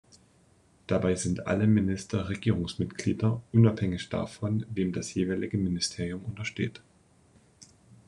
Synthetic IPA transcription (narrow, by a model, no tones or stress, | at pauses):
d̥abaɪzɪntʔa̰ləmɪnɪstʰɐʁeɡiːʁ̞ʊŋsmɪtɡ̥lḭːdɐʔʊnaphɛŋɪçd̥a̰ːfɔnveːmdasjeːvaɪlɪɡəmɪnɪstʰeːʁijʊmʊntɐʃtḛːt